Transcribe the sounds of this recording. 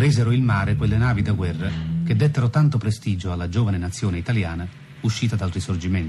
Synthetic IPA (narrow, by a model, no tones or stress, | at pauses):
ɾiːzeɾoilmaːɾekwelːenaːvid̪aɡwɛrːak̟ed̪ːet̪ːeɾot̪ant̪opɾest̪iːd͡ʒoalːad͡ʒoːvanenat̪sːjoːneit̪aljaːna | uʃːiːt̪ad̪alɾisord͡ʒiment̪i̥